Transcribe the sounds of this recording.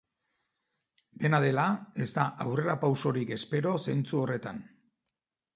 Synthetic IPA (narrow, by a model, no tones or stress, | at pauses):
be̞nað̞e̞lae̞zt̪aʔawre̞ɾapawso̞ɾike̞spe̞ɾo̞se̞nt͡suo̞re̞t̪an